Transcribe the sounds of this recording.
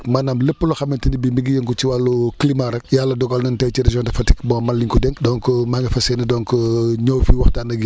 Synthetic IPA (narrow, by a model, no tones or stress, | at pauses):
manaːmlepːulɐxɐmɛntindibimbiɡijəŋkut͡ʃiwalːuklimaɾɐk̚jalːɐdɔɡɐlnɐntɛt͡ʃiɾɛʒɔ̃ːndɐfɐtikbɔːmɐlːiŋkudɛŋdɔːŋkəmaŋɡɐfɐsɛːnidɔŋkɔɲɔːwfiwɐxtaːnɐɡi